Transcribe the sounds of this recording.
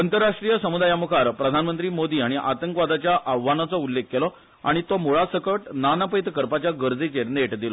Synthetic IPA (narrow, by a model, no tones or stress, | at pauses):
ənt̪əɾːaʂʈɾijəsəmud̪ajamukʰaɾpɾəd̪ʱanmənt̪ɾiːmod̪iːaɽ̃iʔa̰t̪əŋkʋad̪ʱat͡ɕjaʔaʋːanat͡sɔulːekːelɔ | a̰ɽ̃it̪ɔmuɭasəkəʈnanapəjt̪kəɾpat͡ɕjaɡəɾd͡zit͡ɕeɾneʈd̪ilɔ